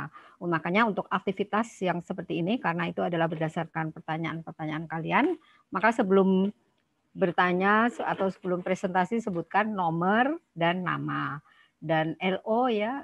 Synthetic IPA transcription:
makaɲaunt̪ʊkak̚t̪ifit̪asjaŋsəpərt̪iːnikarənait̪uadalahbərdasarkanpərt̪aɲaʔanpərt̪aɲaankalian | makasəbəlʊm | bərt̪aɲasat̪awsəbəlʊmpɾesɛnt̪asisəbut̪̚kanːomərdanːa̰ma | danɛloja

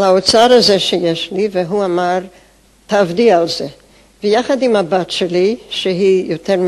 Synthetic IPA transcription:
laot͡saɾazɛʃejɛʃliveɦuamaɾ | tavdialze | vejaχad̪imabatʃɛliʃeɦijotʰɛɾm

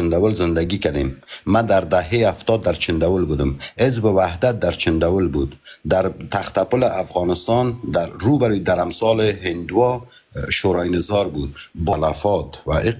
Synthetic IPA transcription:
ɪnd̪awɪlzɪnd̪aɡikad̪emːad̪aɾd̪aɦeaft̪ɔːd̪ːaɾt͡ʃʰɪnd̪awulbud̪ɪmhezbɪwahd̪at̪̚d̪aɾt͡ʃʰɪnd̪awulbud̪d̪aɾt̪ʰaxt̪apʊlɪʔafɣɑːnɪst̪ɑnd̪aɾɾubaɾid̪aɾamsɑːleɦɪnd̪wɔ | ʃoɾɑjnɪzɒɾbud̪balafɔt̪wa

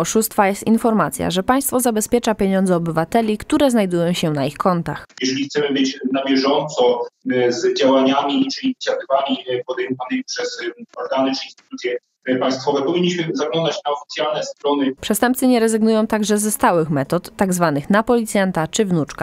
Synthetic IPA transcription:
ɔʂust̪fajɛst̪infɔɾmat̪sʲja̰ʐɛpaj̃st̪fɔzabɛspʲjɛt͡ʂapʲjeɲɔnd̪zɛɔbɘvat̪ɛlʲikt̪uɾɛznajd̪ujɔ̃w̃ɕɛnaixkʰɔnt̪a̰xjɛʐɛlʲixt̪sɛmɘbɘt͡ɕnabʲjɛʐɔnt̪sɔzd͡ʑawaɲamʲit͡ʂɘlʲiit̪sjat̪ɪvamʲipɔd̪ɛjmɔvanɪmʲipʂɛsɔɾɡanɘt͡ʂɘinst̪ɘ̥t̪ut̪sʲjɛ | paj̃st̪fɔvɛpɔvʲiɲːiɕmɘzaɡlɔnd̪at͡ɕnaɔfʲi̥t̪ʲjalnɛst̪ɾɔnɘpʂɛst̪ɛmp̚tsɘɲɛɾɛzɘɡnujɔ̃w̃t̪aɡʐɛzɛst̪awɘxmɛt̪ɔt̪ːaɡzvanɘxnapɔlʲit̪sʲjant̪at͡ʂɘvnut͡ʂka

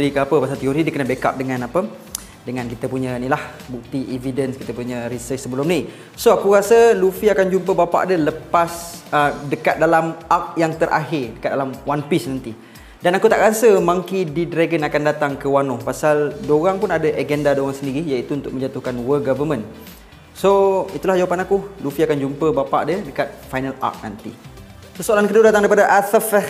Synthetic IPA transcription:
əɾikəapəpasalt̪ioɾidiəkənabeka̰p̚dəŋãnapə | dəŋãnkit̪əpuɲanilah | buk̚t̪iʔividənskit̪əpuɲəɾisət͡ʃsəbəlʊmni | soakuɾasəlufiakand͡ʒumpəbapa̰ʔadələpasədəkat̪̚dalamak̚jaŋt̪əɾʔa̰ɦɪrdəkat̪̚dalamwanpisnant̪i | danakut̪aʔɾasəmaŋkididɾaɡənakandat̪aŋkəwanɔhpasaldoɣaŋpunadəʔaɡɛndadoɣaŋsəndiɾijait̪uunt̪ʊk̚mə̃ɲd͡ʒat̪uhkanwəɡɔvəmə̃n | soit̪ulahd͡ʒawapanakulufiakand͡ʒumpəbapa̰ʔdədəkat̪̚fajnala̰k̚na̰nt̪ḭ | səsoalankəduədat̪aŋdaɾipadaʔat̪əfɛ

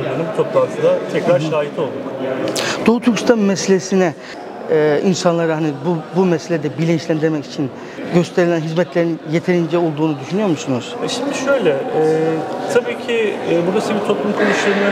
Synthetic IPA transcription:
d̪enɯmbut̪ʰo̞plˠant̪ʰɯd̪at̪ʰɛcɾaɾʃaːɦit̪ʰo̞lˠum | d̪̥out̪ʰukst̪ʰanmɛselʲesinɛ | insanlˠaɾaɦanibubumɛselʲed̪ɛbilʲint͡ʃlʲænd̪iɾmɛci̥t͡ʃʰin | ɟø̞st̪ʰe̞ɾilʲænɦizmɛt̪lʲeɾinje̞t̪ʰe̞ɾind͡ʒɛo̞lˠd̪uːnud̪yʃynyjo̞ɾmusunuz̥ɛʃimd̪iʃø̞jlʲɛɛt̪ʰabiːcʰibuɾasɯbit̪ʰo̞pʰlˠumkʰonuʃˠeɾɯna

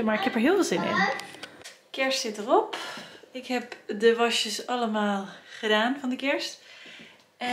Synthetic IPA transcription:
maɹɪkhɛpəɹɦɪəfɪːlˠzɪnɪ̰n | kɛɹstsɪtərɔpɪkhɛpdəʋɔʃjəsɑləmaːlˠχədaːnfɔndəkɛɹst

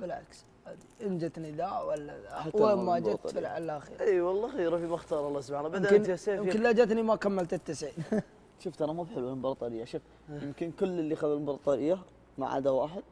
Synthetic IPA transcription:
bɪlʕa̰ks | haːd̪iʔənd͡ʒɪt̪nid̪awalːaawamaɪt̪bɪlʕalːaxḭːɾiwɑlˤːɑxiːɾafimaxt̪ɑːɾˤhɑlːɑsbanabadəmnsajɪmkənlad͡ʒat̪nimakamːalt̪ɪt̪ːɪsʕid | ʃʊft̪ɑɾˤɑmuːbħɪlwabɑɾˤt̪ˤɑɾɪjːaʃʊf | jɪmkənkʊlːəlːixablbɑɾˤt̪ˤɑɾɪjːa | ma̰ʕʔa̰d̪awaːħɪd̪̚

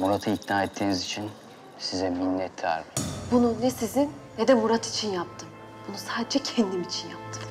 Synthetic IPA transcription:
muɾat̪ʰɯiknaːɛt̪ʰːiːnizit͡ʃʰin | sizɛminːɛt̪ʰːa̰ɾibununɛsizinːɛd̪ɛmuɾat̪ʰi̥t͡ʃʰinjap̚t̪ʰɯm | b̥unusaːd̪ed͡ʒɛcʰɛnd̪imit͡ʃʰinjap̚t̪ʰɯm

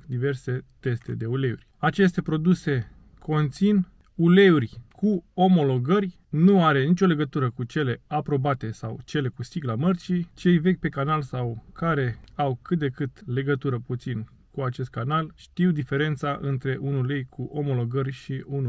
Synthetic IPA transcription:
d̪ive̞rse̞t̪e̞st̪e̞d̪e̞ule̞urʲat͡ʃe̞st̪e̞pɾo̞d̪use̞ | kʰo̞nt̪sin | ule̞urʲkʰuo̞mo̞lo̞ɡərʲ | nuaɾe̞nit͡ʃʲo̞le̞ɡət̪uɾəkut͡ʃe̞le̞apɾo̞bat̪e̞sa̰wt͡ʃe̞le̞kusiɡlamərt͡ʃit͡ʃe̞jve̞kʲpe̞kanalsawkʰaɾe̞awkɨt̪̚d̪ekɨt̪le̞ɡət̪uɾəput̪sin | kuat͡ʃe̞st̪̚kanalʃt̪iwd̪ife̞ɾe̞nt̪saʔɨnt̪ɾe̞ʔunulejkʰuʔo̞mo̞lo̞ɡərʲʃiunu

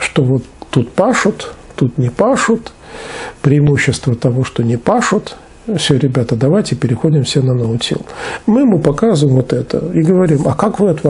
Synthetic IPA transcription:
ʂt̪ovo̞t̪ːut̪paʂʊt̪ːut̪nʲɪpaʂʊt̪ | pɾʲɪːɪmuɕːɪst̪vət̪ɐvoʂt̪onʲɪpaʂʊt̪ | fsʲoɾʲɪbʲat̪əd̪ɐvajtʲɪpʲɪɾʲɪxodʲɪmfsʲenɐnovɨtʲḭlˠmɨmɨpɐkazʊvɪmvot̪ɛt̪ə̰iɡəvɐɾʲimɐkakvɨɐt̪va

